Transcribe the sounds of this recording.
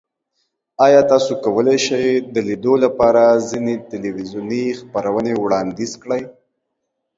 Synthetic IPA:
ɑjɑt̪ɑsokawəleʃajd̪əlid̪olapɑɾazinet̪ɪliwizjunixpaɾawənewɽɑnd̪izkɽəj

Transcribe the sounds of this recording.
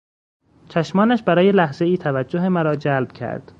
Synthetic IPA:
t͡ʃʰæʃmɒːnæʃbæɾɒːjelæhze̞iːt̪ʰævæd͡ʒːoɦemæɾɒːd͡ʒælb̥̚cʰæ̰ɾd̪̥

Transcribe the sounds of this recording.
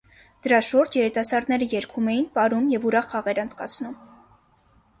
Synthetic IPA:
d̪̥əɾɑʃuɾd͡ʒʰjɛɾit̪ɑsɑɾd̪nɛɾəjɛɾkʰumɛjinpɑɾumjɛvuɾɑχːɑʁɛɾɑnt͡sʰkɑt͡sʰnum

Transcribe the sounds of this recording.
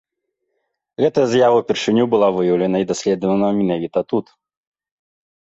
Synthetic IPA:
ɣɛt̪ɐjɐzjavɐwpʲirʂɨnʲubɨlˠavɨjɐwlʲɐnɐid̪asʲlʲɛd̪vɐnɐmʲinavʲit̪ɐt̪ut̪

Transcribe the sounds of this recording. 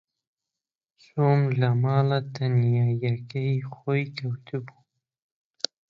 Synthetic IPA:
somlamɑːlat̪anjɑːjakaixojkawt̪ʰubu

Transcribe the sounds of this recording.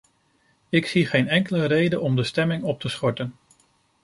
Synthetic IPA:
ɪksiχejnɛŋkələrejdənɔmdəstɛmɪŋɔp̚təsχɔɹtən

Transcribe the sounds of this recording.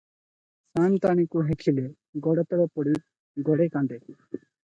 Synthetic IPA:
sant̪aɽ̃ikuɦekʰile | ɡɔɽet̪ɔɽɔpɔɽi | ɡɔɽekaɳɖe

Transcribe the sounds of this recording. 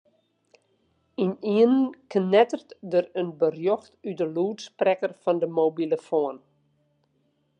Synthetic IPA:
iniənnknɛtərtdərənbərjɔxtydəluːtsprɛkərfɔndəmowbiləfɔən

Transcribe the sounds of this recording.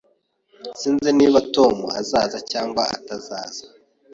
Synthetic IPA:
siːnzeniːβato̞mua̰zaːzacaːŋɡwaa̰tazaːz̥ḁ

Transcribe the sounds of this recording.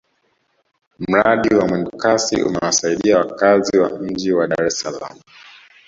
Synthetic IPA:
m̩ɾaɗiwamwɛndukasḭʔṵmɛwasaiɗiawakaziwa̰ɲ̩d͡ʒiwaɗaɾɛsala̰mu

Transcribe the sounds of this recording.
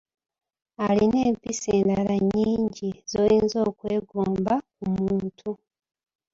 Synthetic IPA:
aline̞ːmpiseːndalaɲːiːɲɟiz̥ojiːnzo̞ːkwe̞ːɡoːmbak̚umuːtʰu

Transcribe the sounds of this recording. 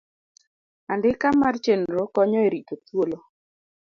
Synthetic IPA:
andɪkamart͡ʃenɾɔkɔɲɔeɾitot̪wolo

